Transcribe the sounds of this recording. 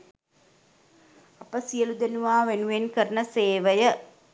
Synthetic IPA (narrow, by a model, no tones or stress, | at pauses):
apəsijəlud̪enuʋaːʋenuʋenkəɾənəseːʋəjə